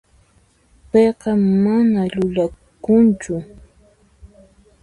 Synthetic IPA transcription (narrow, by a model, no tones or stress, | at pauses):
pejqɑmanaʎʊʎakʊnt͡ʃʊ